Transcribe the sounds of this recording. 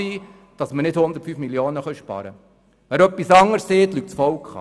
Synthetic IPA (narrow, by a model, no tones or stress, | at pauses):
iː | d̥ɑsmənɪd̥hʊnd̪ətfyfmilioːnəχœʃpɑ̰ɾə̰ | ʋæɾœpːisɑŋːəɾsːeːt̪lyk̚tsfɔwkχɑ̰